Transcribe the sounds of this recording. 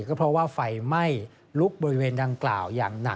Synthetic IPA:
kɔː˥˩pʰɾɔ˦˥waː˥˩fa˧jma˥˩j | lu˦˥k̚bɔː˧ɾi˦˥weː˧nda˧ŋklaː˨˩wja̰ː˨˩ŋna̰˨˩˦

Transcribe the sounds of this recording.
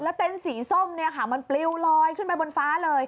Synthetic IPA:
lɛ˦˥wt̪e˧nsiː˩˦so˥˩mni˦˥˩ɐkʰaː˨˩ma˧npli˧wlɔː˧jkʰɯ˥˩npa˧jbo˧nfaː˦˥lɤː˧j

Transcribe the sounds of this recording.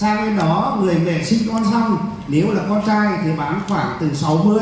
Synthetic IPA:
saː˧ne˧nɗɔ˨˦mɨ˨˩əjmḛ˧˨˩sï˧ŋ̟t̪waː˧nsa˧wŋ͡m | ne˨˦wlaː˨˩kɔ˧nt͡ɕaː˧jt̪ʰi˨˩ɓaː˨˦nxwaː˧˩ŋt̪ɨ˨˩sa˨˦wmɨ˧əj

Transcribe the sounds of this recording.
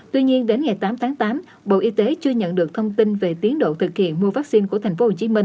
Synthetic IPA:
t̪wi˧ɲi˧ənɗe˨˦nŋa˨˩jt̪aː˨˦mt̪ʰaː˨˦ŋt̪aː˨˦m | ɓo̰˧˨ʔi˧t̪e˨˦t͡ɕɨ˧əɲə̰˧˨nɗɨ˨˩ək̚t̪ʰə˧wŋ͡mt̪i˧nve˨˩t̪i˨˦ənɗo̰˧˨t̪ʰɨ˨˩k̚hḭ˧˨ənmu˧əvaː˦˥k̚si˧nku˧˩ət̪ʰŋ̟fo˨˦ho˨˩t͡ɕi˨˦mï˧ŋ

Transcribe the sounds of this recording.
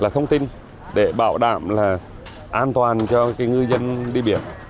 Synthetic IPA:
laː˨˩t̪ʰə˧wŋ͡mt̪i˧n | ɗe˧˩ɓa̰ː˧˩˨wɗa̰ː˧˨mlaː˨˩ | ʔaː˧nt̪waː˨˩nt͡ɕɔ˧kaː˨˦jŋɨ˧jzə˧nɗi˧ɓḭ˧˨ən

